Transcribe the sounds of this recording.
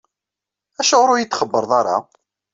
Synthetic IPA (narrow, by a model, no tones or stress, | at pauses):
æʃaʁʊɾʊjət͡s̪ːχəbːəɾˤðˤɑɾˤɑ̰